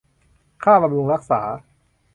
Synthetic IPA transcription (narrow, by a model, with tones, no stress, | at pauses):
kʰaː˥˩pɾa˧mɾu˧ŋɾa˦˥k̚saː˩˦